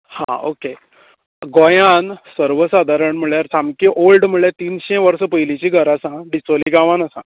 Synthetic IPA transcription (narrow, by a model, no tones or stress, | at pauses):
hã̰o̰ke | ɡojansəɾʋəsad̪ʱaɾəɳm̤əɭjaɾt͡samkĩʔolɖm̤uɭjet̪iːnɕɛ̃ʋəɾsəpəjlĩt͡ɕiɡʱəɾasãɖisʋoliɡãʋanəsã